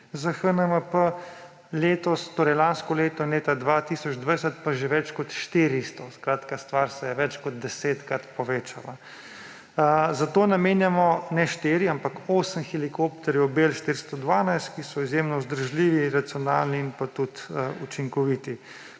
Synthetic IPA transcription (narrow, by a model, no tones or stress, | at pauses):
zaxənəməpə | leːt̪ɔst̪oːɾɛjlanskɔleːt̪ɔnleːt̪ad̪ʋat̪isɔd͡ʒd̪ʋəsət̪paʒeʋɛt͡ʃkɔt̪ʃt̪iːɾist̪ɔskɾaːt̪kast̪ʋaːɾsɛjɛʋɛt͡ʃkɔd̪̚d̪ɛseːt̪kɾat̪pɔʋeːt͡ʃala | zat̪oːnameːnjamɔnɛʃt̪eːɾiampakoːsəmxilikopt̪ɛɾjɛwbelʃt̪iɾst̪ɔd̪ʋaːnajst̪kisɔizjemnɔzd̪əɾʒliːʋiɾat̪sijɔnalniːnpat̪ut̪əut͡ʃiŋkɔʋit̪i